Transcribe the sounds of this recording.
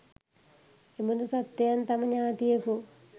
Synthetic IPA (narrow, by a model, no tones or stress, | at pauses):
emunusɐt̪ːɐjant̪ɐmɐɲaːt̪ijeku